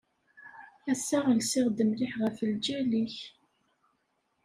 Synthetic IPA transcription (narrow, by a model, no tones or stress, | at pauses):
æsːaʁəlsɪʁd̪əmlɪħʁəfəld͡ʒæliç